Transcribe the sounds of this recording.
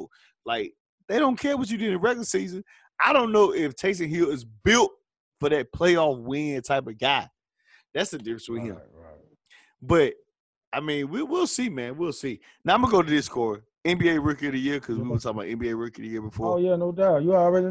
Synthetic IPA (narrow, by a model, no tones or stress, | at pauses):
laɪk̚ | ðeɪɾõʊ̃nkʰɛɹwʌt͡ʃɨdʉ̃nəɹɛkə̥sizɨ̃n | aɪɾõʊ̃nːoʊʔɪftʰeɪs̬ɨ̃nɦilˠɪzbɪlˠt̚ | fə˞ðɨt̚pʰl̥eɪɔfwɪ̃ŋɨtʰaɪpʌvɡaɪ | ðætsðɨdɪfɹɨ̃nswiɪ̰̃m | b̥ʌt̚ | aɪmĩnwiwilˠsimæ̃nwilˠsi | naʊãməɡoʊ̃nɨðɪskʰɔɹ | ɛ̃nbieɪɹɪkəɾɨjɪɹkʰʌzwiwəsʰɛ̃ba̰ʊʔɛ̰̃nbieɪɹɪkəɾɨjɪɹbəfɔɹojænoʊdaʊtjɨəɹɛɾi